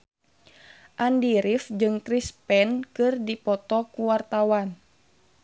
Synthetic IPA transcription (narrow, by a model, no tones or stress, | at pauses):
ʔandiɾifd͡ʒɨŋt̪ɾispɛnkɨrdipɔt̪ɔkuwart̪awan